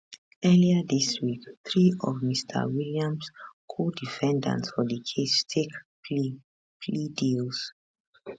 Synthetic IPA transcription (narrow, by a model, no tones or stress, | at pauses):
ɛliədiswikθɹiɔvmistʰə̰wiliãmskʰodifɛ̃ndã̰ntsfɔdikʰestʰek | li | pʰlidils